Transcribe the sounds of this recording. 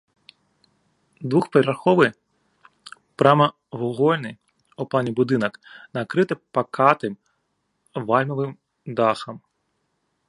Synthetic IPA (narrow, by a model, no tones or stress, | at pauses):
d̪ʋuxpeɾʲɾɐrxɔʋɨ | pɾamɐ | ʋɔɣɔlʲnɪj | uplˠanʲibʊd̪ɨnɐknɐkɾɪt̪ɪpɐkʰɑt̪ɪm | ʋɑlʲmɔʋɪm | d̪ɑxɐm